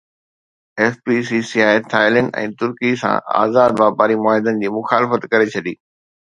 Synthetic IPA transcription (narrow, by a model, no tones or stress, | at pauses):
ɛːfbiːsiːsiaːɪt̪ʰaːɪlə̃ɳɖɛ̰̃ːt̪ʊɾkisã̰a̰ːzaːd̪baːpaːɾimʊaːɦɪd̪ənɪ̆d͡ʑiːmʊxaːlɪfət̪kɐɾet͡ɕʰɐɗiː